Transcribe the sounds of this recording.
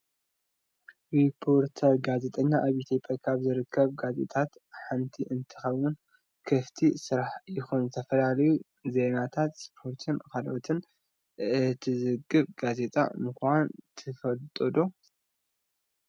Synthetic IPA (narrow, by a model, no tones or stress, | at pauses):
ɾipʰːo̞ɾt̪ʰɐɾɡaze̞t̪ʼɐɲːaʔaβit̪ʰopʼjakʰaβzɨɾɨkʰːɐβɡazḛt̪ʼat̪ħant̪ʰiʔɨnt̪ʰɨ̥xɐβwun | kʰɐft̪ʰisɨɾaħjɪxunzɨt̪ʰɐfɐlalɐju | ze̞nat̪ʰat̪spʰo̞ɾt̪ʰɨnkʰalot̪ʰɨn | ɨt̪ʰizɨɡɨβɡaze̞t̪ʼa̰mɨkwant̪ʰɨfɐlt̪ʼod̪o